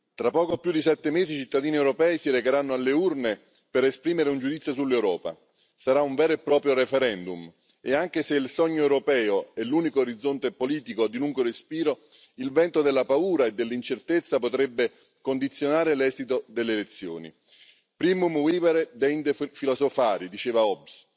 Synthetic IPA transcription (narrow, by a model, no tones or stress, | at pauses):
t̪ɾapːɔːkoapːjud̪isɛt̪ːemeːzit͡ʃit̪ːad̪iːniewɾopɛːisiɾekeɾanːoalːeurne | peɾespɾiːmeɾeund͡ʒud̪it̪sjosulːewɾɔːpa̰ | saɾauɱvɛːɾoepːɾɔːpɾjoɾefɛɾɛnd̪um | eaŋk̟eseilsɔɲːoewɾopɛːoɛlːuːnikoːɾid̪zːont̪epoliːt̪ikod̪iluŋɡoɾespiːɾo | ilvɛnt̪od̪elːapauːɾaed̪ːelːint͡ʃert̪et̪sːapot̪ɾɛbːe | kond̪it̪sːjonaːɾelɛːzit̪od̪elːelet̪sːjo̰ːnḭ | pɾiːmumwiːvɛɾd̪ɛjnd̪efilozofaːɾid̪it͡ʃeːvaɔbs